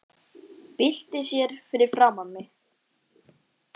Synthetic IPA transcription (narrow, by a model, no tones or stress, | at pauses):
pɪl̥t̪ɪsjɛɾfɪɾɪɾ̥fɾawmamɪ